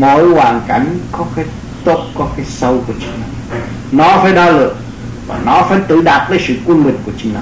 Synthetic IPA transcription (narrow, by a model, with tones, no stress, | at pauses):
mo˨˦jhwaː˨˩ŋka˨˦jŋ̟kɔ˨˦kaː˨˦j | t̪o̰˧˨t̚kɔ˨˦kaː˨˦jsə˧wku˧˩ət͡ɕi̥˨˧˦ŋna˨˩w | nɔ˨˦faː˧˩˦jɗaː˧lɨ̰˧˨əŋ | va̰ː˨˩nɔ˨˦faː˧˩jt̪ɨ˧˩ɗaː˨˩t̚vəː˨˦jsɨ̰˧˨kwənmï˨˩ŋ̟ku˧˩ət͡ɕi̥˨˧˦na˨˦